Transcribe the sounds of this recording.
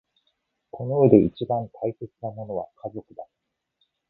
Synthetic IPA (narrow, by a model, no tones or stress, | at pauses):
kʰo̞no̞ɯe̞d̪e̞it͡ɕibãnt̪ʰaise̞t͡sɨnamo̞no̞βakʰazo̞kɯ̟d̪a